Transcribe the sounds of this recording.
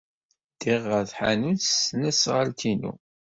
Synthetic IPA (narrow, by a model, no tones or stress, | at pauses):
d̪̥iʁːəθħanuθsnæsʁəlt̪ʰinṵ